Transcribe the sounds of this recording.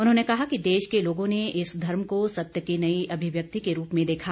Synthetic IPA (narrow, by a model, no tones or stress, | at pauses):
ʊnɦõːnekɐɦakid̪eːʃkeloːɡõneɪsd̪ʱɐɾmkosɐt̪jəkinɐiɐbʱɪʋjək̚t̪ikeɾuːpmẽd̪eːkʰa